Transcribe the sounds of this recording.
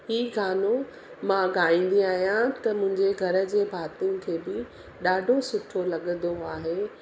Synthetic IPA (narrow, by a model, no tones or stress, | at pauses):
hiːɡaːno | mãɡaːĩːn̆d̪iaːɦijãt̪ɐmʊ̃ɦɪ̃ɲd͡ʑeɡʱɐɾə̆d͡ʑeːbʱaːt̪jũkʰeːbɪ | ɗaːɖʱosʊʈʰolɐɠə̃nd̪oaːɦeː